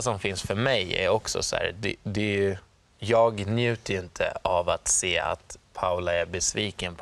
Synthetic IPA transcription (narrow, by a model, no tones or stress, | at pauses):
sɔmfɪnsfœɾmɛjæ̰ɾɔksɔ̰sæ̰ːɾd̪ɛd̪ɛ | jɑːɡnjʉ̟ːt̪əɪnt̪ʰə̰avat̪seːa̰t̪pʰaʊlaæɾbɛsviːkənpʰ